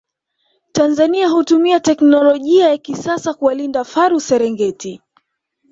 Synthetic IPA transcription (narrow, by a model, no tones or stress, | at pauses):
tanzaniaɦutumiatɛknɔlɔʄiajakisasakuwalindafaɾusɛɾɛŋɡɛti